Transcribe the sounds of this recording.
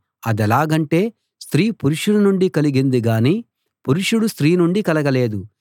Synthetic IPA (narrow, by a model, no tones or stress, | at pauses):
ɐd̪ɛlaːɡɐɳʈe̞ː | st̪ɾiːpuɾuʂuɽunuɳɖikɐliɡind̪iɡaːniː | puɾuʂuɽust̪ɾiːnuɳɖikɐlɐɡɐle̞ːd̪u